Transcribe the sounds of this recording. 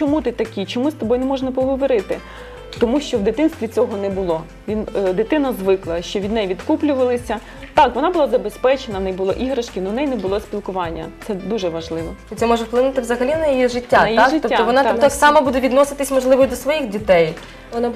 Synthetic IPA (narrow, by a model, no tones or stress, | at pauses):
t͡ʃɔmut̪ɪt̪ɐkʲit͡ʃɔmust̪ɔbɔjnɛmɔʒnɐpɔɦɔʋɔɾɪt̪ɪ | t̪ɔmuʃt͡ʃɔʋd̪ɪt̪ɪnst̪ʋʲit͡sʲɔɦɔnɛbʊlˠɔ | ʋʲind̪ɪt̪ɪnɐzʋɪklˠɐʃt͡ʃɔʋʲid̪nɛjʋʲid̪kuplʲʊʋɐlˠɪsʲɐ | t̪ɑkʋɔnɑbʊlˠɑzɐbespɛt͡ʃenɐʋnɛjbʊlˠɔ̰ʔiɦɾɐʃkʲɪnɔnɛjnɛbʊlˠɔsʲpʲilˠkʊʋɑnʲːɐ̰t̪sɛd̪uʒɛʋɐʒlˠɪʋɔit̪sɛmɔʒɛfplˠɪnut̪ɪʋzɐɦɐlʲinɐjijiʒɪtʲːanɐj̪iʒɪɔːaɔʋɔnɑt̪t̪aksɑmɐbud̪ɛʋʲid̪nɔsɪt̪ɪsʲmɔʒlˠɪʋɔjd̪ɔsʋɔjixdʲit̪ɛj | ɔn